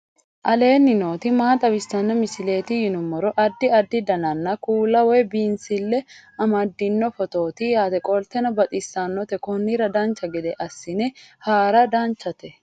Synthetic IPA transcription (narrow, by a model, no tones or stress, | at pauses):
ʔɐle̞ːnːɪno̞ːt̪ɪmaːt̪ʼɐbɪst̪ɐnːɐmɪsɪle̞ːt̪ɪjɪnʊmːɔɾɔʔɐd̪ːɪɐd̪ːɪd̪ɐnɐnːɐkuːlɐwɔjbiːnsɪlːɛɐmɐd̪ːɪnːɔfɔt̪o̞ːt̪ijaːt̪ɛkʼɔlt̪ɛnɔbɐt̪ʼɪsːaːnːɔt̪ɛkɔnːiɾɐd̪aːnt͡ʃːɐɡɛd̪ɛʔɐsːɪnɛhaːɾɐd̪aːnt͡ʃːɐt̪ɛ